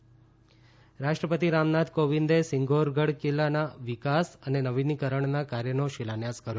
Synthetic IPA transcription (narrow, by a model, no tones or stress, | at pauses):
ɾaʃʈɾəpət̪iɾamnad̪ʱkoʋind̪esɪŋɡʱoɾɡʱəɽkelanaʋikasənenəʋinikəɾəɳnakaɾjənoʃilanjaskəɾjo